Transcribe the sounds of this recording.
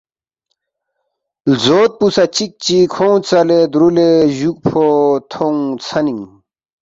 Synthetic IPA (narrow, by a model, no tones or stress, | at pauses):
lzoːt̪̚pusat͡ɕik̚t͡ɕikʰoũt͡sɐled̪ɾuleʑuk̚pʰot̪ʰoũt͡sʰɐniŋ